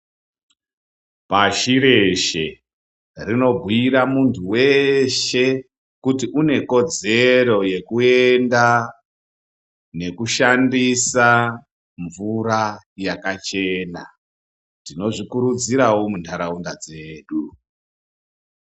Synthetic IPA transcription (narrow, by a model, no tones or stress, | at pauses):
paʃiɾe̞ʃe̞̰ | rino̞bʱuiɾamuntʰuwe̞ʃe̞ | kutiʔune̞ko̞d͡ze̞ɾo̞je̞kue̞nda | ne̞kuʃandisa | ɱvuɾa | jakat͡ʃe̞ːna̰ | tino̞ʐikuɾud͡ziɾawomuntʰaɾaundad͡ze̞ːɗu